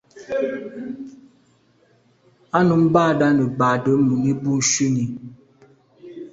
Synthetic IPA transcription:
a˦nu˨˦m̩˦baː˦˨da˦nə˨baː˨də˦mu˨ni˦bu˦˨n̩˨˦ʃi˦ni˨

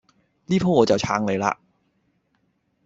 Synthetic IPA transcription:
liː˥pʰoː˥ŋɔː˨˧t͡sɐ˨wt͡sʰaː˧ŋle˨˧jla̰ː˧

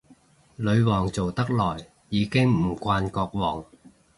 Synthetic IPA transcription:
lɵ˨˧ɥwɔː˨˩ŋt͡so˨wt̪ɐ˥k̚lɔː˨˩jː | iː˨˧kɪ˥ŋm̩˨˩kʷaː˧nkɔː˧k̚wɔː˨˩ŋ

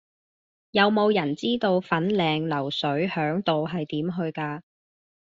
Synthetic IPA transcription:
jɐ˨wmo˨˧wjɐ˨˩nt͡siː˥t̪o˧wfɐ˨˥nlɛː˨ŋlɐ˨˩wsɵ˨˥ɥhœː˨˥ŋt̪o˨wɦɐ˨jt̪iː˨˥mɦɵ˧ɥkaː˧

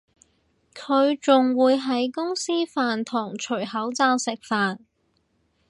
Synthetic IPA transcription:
kʰɵ˨˧ɥt͡sʊ˨ŋwuː˨˧jɦɐ˨˥jkʊ˥ŋsiː˥faː˨nt̪ʰʊ˨˩ŋt͡ʃʰɵ˨˩ɥhɐ˨˥wt͡saː˧wsɪ˨k̚faː˨n

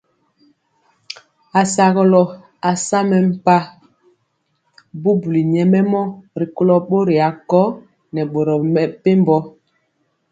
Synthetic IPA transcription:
a˨sa˨ɣɔ˦lɔ˨ | a˨sa˦mɛ˨m̩˦˨pa˦ | bu˦bu˨li˨ɲɛ˨mɛ˦mɔ˦ɾi˨ko˦lɔ˨ɓo˦ɾi˨a˨kɔ˦ | nɛ˨ɓo˨ɾɔ˨mɛ˨pe˦mbɔ˦

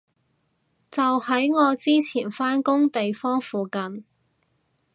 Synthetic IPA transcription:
t͡sɐ˨whɐ˨˥jŋɔː˨˧t͡siː˥t͡sʰiː˨˩nfaː˥nkʊ˥ŋt̪e˨jfɔː˥ŋfuː˨kɐ˨n

